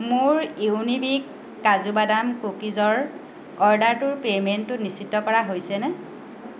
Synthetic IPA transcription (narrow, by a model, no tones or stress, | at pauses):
mʊɹewnibikː | azubadamkokizɔɹ | ɔɹdaɹtʊɹpementːʊnisitːɔkɔɹaɦojsɛnɛ